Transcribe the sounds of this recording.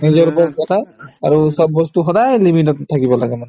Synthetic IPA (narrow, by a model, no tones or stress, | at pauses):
nizɔɹbɔb̚kɔtʰaaɹusɔbːɔstuxɔdajlimitɔttʰːakibɔlaɡɛman